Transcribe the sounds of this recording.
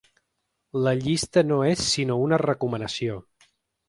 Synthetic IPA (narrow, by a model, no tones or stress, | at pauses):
ləʎist̪ənoesːinounərəkumənəsio